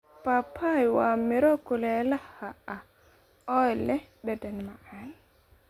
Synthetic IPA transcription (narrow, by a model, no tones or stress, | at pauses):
papʰːajwamiɾɔkulɛlahaʔa | ɔjlɛɗɛdɛnmaʔan